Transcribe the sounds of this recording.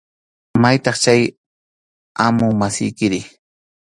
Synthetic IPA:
majt̪ɑχt͡ʃaj | amʊŋmasɪ̰jkɪɾɪ

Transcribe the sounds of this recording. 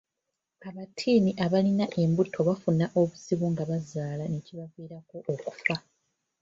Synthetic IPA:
aβatʰiːniʔaβalinaʔe̞mbutʰo̞βafunaʔo̞βuziβuŋɡaβazaːlaneciβaviːɾako̞ʔoku̥fa

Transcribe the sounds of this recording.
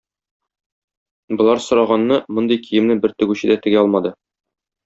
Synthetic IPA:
bŏlˠɑɾsŏɾɑʁɑnːɤmŏnd̪ɤjkijɘ̆mnɘbɘɾt̪ɵ̆ɡʉɕɘ̆d̪æt̪ɘ̆ɡæɒlˠmɑd̪ɤ

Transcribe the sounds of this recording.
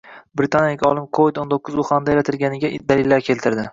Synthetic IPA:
bɾɪt̪ʰanjaɪkʲɒlˠɪmkʰovɪd̪ont̪ʰokːʊzʊχand̪ajɾat̪ʰɪlɡʲanɪɡʲad̪alɪlːaɾkʲʰe̞lt̪ʰɪɾd̪ɪ

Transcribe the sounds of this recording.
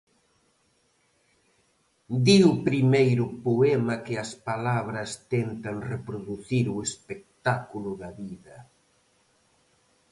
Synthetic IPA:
d̪iʊpɾimejɾʊpoɛmɐkɪɐspalaβ̞ɾɐst̪ɛnt̪ɐŋrepɾoðuθiɾʊespek̚t̪akulʊðɐβiðɐ

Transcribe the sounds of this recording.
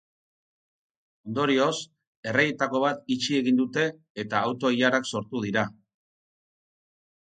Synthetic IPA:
o̞nd̪o̞ɾio̞s | e̞rejet̪ako̞β̞at̪it͡ʃie̞ɣind̪ut̪e̞ː | t̪aːwt̪o̞iaɾakso̞ɾt̪uð̞iɾa

